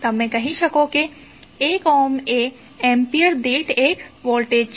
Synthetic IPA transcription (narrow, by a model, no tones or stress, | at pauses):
t̪ɐmːɛ̃kɐɦiʃɐkoki | eːkɔːmeː | ɛ̃ːmpiəɾd̪eːʈeːkʋoːɾʈeːt͡ʃ